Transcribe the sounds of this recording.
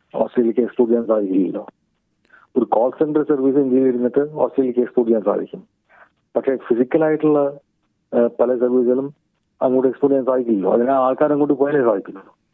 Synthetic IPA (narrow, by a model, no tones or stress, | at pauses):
oːsʈrejlkʲːeekspuːɖijaːnsaːd̪ikʲːulːlːo̞̰ː | oɾukoːlsenɖɐrsɐrʋiːsɨiŋɡiiɾunːɐʈ̪ːɨoːsʈrejilkːɨekspoːɖijaːnsa̰ːd̪ʱikʲːum | pɐʈʂe̞ːfisikʲːɐlaːjiʈːuɭːɐ | pɐlɐsɐrʋiːs̬ɨɣɐlum | ɐ̰ŋːoɽekspoːʈijaːnsaːd̪ikʲːulilːo̰ːɐ̰ðinaaːɭkaːnɐŋːoɖːɨpoːjanesaːd̪ʱikʲːunːunu